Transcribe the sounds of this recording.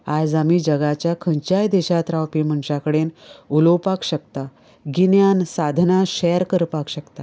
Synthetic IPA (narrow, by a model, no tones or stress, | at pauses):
ajd͡zamiːd͡ʑəɡat͡ɕjakʰə̃ɲt͡ɕjajd̪eɕat̪ɾawpim̤əɳɕakəɽenulowpakɕəkt̪a | ɡinjansad̪ʱnaɕɛjəɾkəɾpakɕəkt̪a